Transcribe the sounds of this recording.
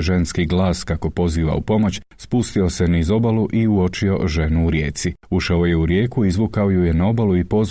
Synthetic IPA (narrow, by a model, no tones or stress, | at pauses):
ʒe̞nskiɡlaːskako̞po̞ziːʋa̰ṵpo̞mo̞t͡ɕspust̪io̞se̞nizo̞baluʔiuo̞t͡ʃio̞̰ʒe̞nuːɾje̞ːt̪siuʃaoje̞uɾjeːkuizʋukaojujenao̞baluipo̞z